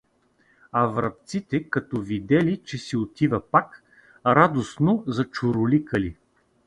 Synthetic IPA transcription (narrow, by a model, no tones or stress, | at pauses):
ɐvɾɐp̚t̪sit̪ɛkɐt̪ɔvid̪ɛlit͡ʃɛsiot̪ivɐpak | ɾad̪osnozɐt͡ʃʊɾʊlikəli